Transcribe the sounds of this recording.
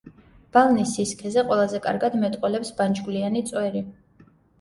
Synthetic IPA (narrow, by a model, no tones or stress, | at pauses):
b̥alˠnisiskʰɛzɛqʼwɛlˠazɛkʼa̰ɾɡad̪mɛt̪ʼqʼwɛlɛpsband͡ʒɡlianit̪sʼwɛɾi